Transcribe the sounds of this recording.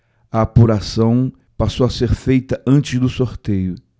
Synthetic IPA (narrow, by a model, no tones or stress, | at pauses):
ɐːpuɾasɐ̃w̃ | pasowɐseɾfejt̪ɐʔɐ̃nt͡ʃɪzd̪ʊsoɾt̪ejʊ